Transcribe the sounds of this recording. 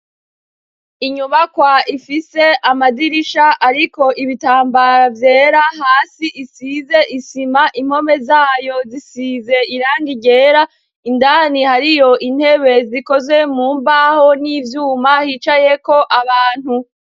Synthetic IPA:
iɲuβakwaifise̞ʔamadiɾiʃaʔaɾiko̞ʔiβitaːmbavje̞ːɾaɦaːsiʔisize̞ʔisimaʔim̥ho̞me̞zaːjo̞zisize̞iɾaːŋɡiɟe̞ːɾa | indanihaɾijo̞ʔin̥he̞βe̞ziko̞zwe̞muːmbaho̞nivjuːmahit͡ʃaje̞ko̞ʔaβaːn̥hu

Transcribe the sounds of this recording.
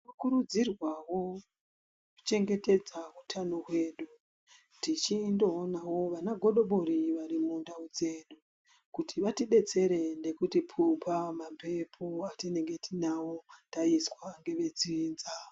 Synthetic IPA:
kakuɾud͡zirwawo̞ | ku̥t͡ʃe̞ŋɡe̞te̞d͡zautʰanoɦwe̞ːɗu | tit͡ʃindoːnawo̞ʋanaɡʱo̞ɗo̞ɓo̞ɾiʋaɾimundaud͡ze̞ːɗu | kutʰiʋatiɓe̞t͡se̞ɾe̞nde̞kutipʰumpamampe̞pʰoatine̞ŋɡe̞tinawotaiswaŋɡe̞ʋe̞d͡zːnza

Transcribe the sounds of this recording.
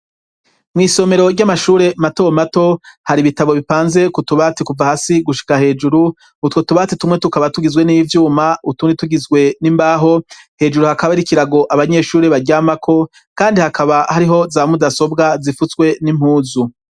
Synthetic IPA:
mŋiːso̞me̞ɾo̞ɾɟamaʃuːɾe̞mato̞mato̞haɾiβitaβo̞βipaːnze̞kutuβatikuvahasiɡuʃi̥kahe̞ːd͡ʒuɾu | utwotuβatitumŋe̞tukaβatuɡizɡwe̞nivjuːmautuːndituɡizɡwe̞nimbaːɦo̞ | he̞ːd͡ʒuɾuhakaβaɾikiɾaɡo̞ʔaβaɲe̞ːʃuːɾe̞βaɟaːmakʰo̞ | kaːndihakʰaβahaɾiɦo̞zaːmudaso̞bɡazifuswe̞nim̥huːzu

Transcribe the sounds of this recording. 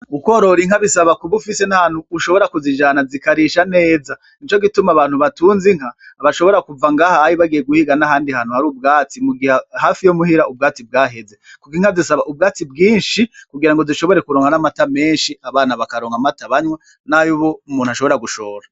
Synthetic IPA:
ukoɾo̞ɾiŋhaβisaβakuβufise̞nahan̥huːʃo̞βo̞ɾakuzid͡ʒaːnazikaɾiʃane̞ːza | it͡ʃo̞ɡitumaβaːn̥huβatuːnziŋ̥haːβaʃo̞βo̞ɾakuvaŋɡaːhaajiβaɡijeɡuhiɡanaɦaːndihaːn̥huhaɾuːb̚ɡaːt͡simuɡihahaːfijomuɦiɾaub̚ɡaːt͡sib̚ɡaːɦe̞ze̞kukiŋhazisaβaʔub̚ɡaːt͡sib̚ɡiːnʃikuɡiɾaŋɡoziʃo̞βo̞ɾe̞kuɾoːŋɡanamatame̞ːnʃiaβaːnaβakaɾoːŋɡamataβaɲwe | najuβoumuːnuhaʃo̞βo̞ɾaɡuʃoːɾa

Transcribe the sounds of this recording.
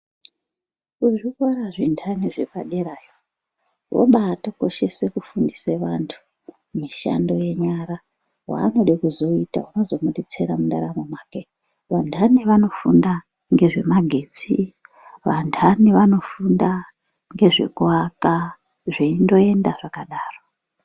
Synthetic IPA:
uʐikwaɾaʐindʰʱaniʐe̞paɗeɾajo | ʋo̰ɓaːtoko̞ʃe̞se̞kufundiseʋantʰu̥ | miʃa̰ndo̞je̞ɲaɾa | wa̰ːno̞ɗikuzo̞ita̰uno̞zo̞muɗet͡seɾamundaɾamomwaːke | ʋandʰʱaniʋano̞fṵnda | ŋɡe̞ʐe̞maɡʱe̞ːt͡si | ʋandʰaniʋano̞funda | ŋɡe̞ʐe̞̰kuaka | ʐeindo̞e̞ndaʐakaɗaːro

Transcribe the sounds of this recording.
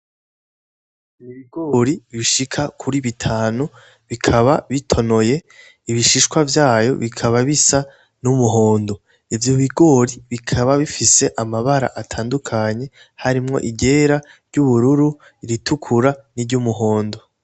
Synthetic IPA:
βiɡo̞ɾiβiʃikʰakʰuɾiβitʰaːnu | βikʰaβaβitʰo̞no̞je̞ | iβiʃiʃkwavjaːjo̞̰βikʰaβaβisa | numuɦo̞ːndo̞ | ivjoβiɡo̞ɾiβikʰaβaβifise̞ʔamaβaɾa̰ʔatʰaːndukʰaɲe̞ | haɾimŋo̞̰ʔiɟe̞ːɾaɾɟuβuɾuɾu | iɾitukʰuɾaniɾɟumuɦo̞ːndo̞

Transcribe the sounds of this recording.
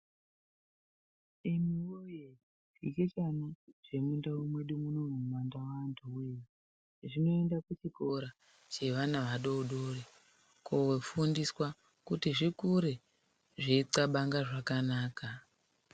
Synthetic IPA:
imiwoje | iket͡ʃanaʐ̥e̞mundawumwe̞ɗumuno̞mumandawantʰuweji | ʐino̞endakut͡ʃiko̞ɾa | t͡ʃe̞ʋanaʋaɗouɗore | kʰo̞wefundiswa | kutiʐikuɾe | ʐiiǀaɓaŋɡaʐakanaːka

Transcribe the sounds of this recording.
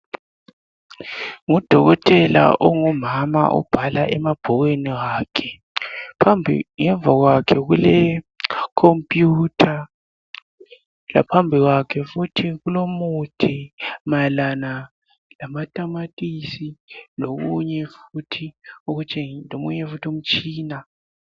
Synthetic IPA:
ŋɔd̥ʱɔɣɔtʼɛla̰ʔɔŋɔmama̰ʔɔ̰b̥ʱalaʔɛmab̥ʱɔɣeniɣaːkʰɛ | pʰambʱḭŋɛɱvʱaɣwakʰɛɣulɛ | kʰompʼjutʰa | la̰pʰambʱiɣwakʰɛfutʰiɣulomutʰimalana | lamatʼamatʼisiloɣuɲɛfutʰiuɣut͡ʃʼʰeŋlomuɲɛfutʰium̩t͡ʃʼiːna

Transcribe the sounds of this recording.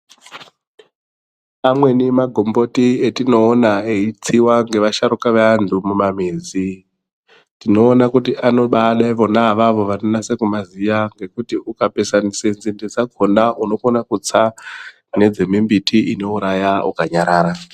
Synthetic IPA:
amwe̞nimaɡʱo̞mbo̞tietino̞ːnaeit͡siwaŋɡe̞ʋaʃaɾukaʋeandʱumumamiːzi | tino̞ːnakutiʔano̞ɓaɗaiʋo̞naʋaʋo̞ʋanonasekumazijaŋɡe̞kutiukape̞sanisenzinded͡zaɡʱondauno̞konakut͡sa | ne̞d͡zemimbitʰiʔino̞uɾajaṵkaɲaɾaːɾa

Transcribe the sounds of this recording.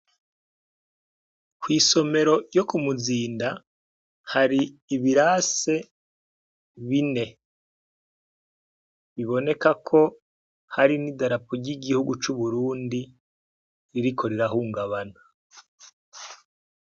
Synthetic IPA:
kwiːso̞me̞ɾo̞jo̞kumuziːnda | haɾiːβiɾase̞ | βine̞ | βiβo̞ne̞kakʰo̞ | haɾinidaɾapoɾɟiɡihuɡut͡ʃuβuɾuːndi | ɾiɾikʰo̞ɾeɾaɦuːŋɡaβanḁ

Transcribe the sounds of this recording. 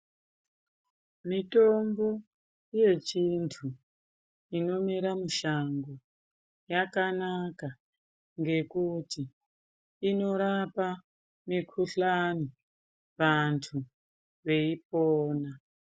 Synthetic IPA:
mito̞mbo̞ | je̞t͡ʃintʰu | ino̞miɾamuʃaŋɡo | jakanaka | ŋɡe̞kuti | ino̞ɾapa | mikʰuɬani | ʋantʰu | ʋe̞ip̚oːna

